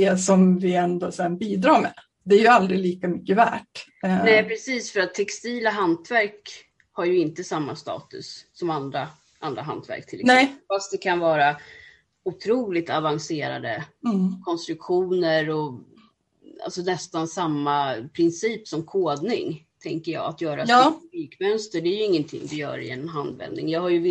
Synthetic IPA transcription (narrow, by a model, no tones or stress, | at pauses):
d̪ɛsɔmvɪɛnd̪osɛnbiːd̪ɾɑːɾmɛ | d̪ɛæɾjɵald̪ɾɪliːkamʏkːəvæ̰ːʈ | nɛːpʰɾɛsiːsfœɾat̪ʰːɛkst̪iːlaɦant̪væɾk | haɾjɵɪnt̪əsamːast̪ɑ̰ːt̪ɵ̰sːɔmand̪ɾa | ʔand̪ɾaɦa̰nt̪væ̰ɾk̚t̪ʰɪlnɛfast̪̚d̪ɛkʰanvɑːɾa | ʊt̪ʰɾuːlɪt̪avanseːɾa̰d̪ə̰kʰɔnst̪ɾɵkɧuːnəɾɔ | a̰lsɔnɛst̪ansamːapʰɾɪnsiːpsɔmkʰoːd̪nɪ̰ŋt̪ʰɛŋkəjɑ̰ːɡat̪jœːɾaɔyːkmœnst̪əɖɛæɾjɵɪŋːənt̪ʰɪ̰ŋːd̪ɪjœ̰ːɾɪ̰ɛnmɦand̪vɛ̰nd̪nɪŋjɑːɡhajɵv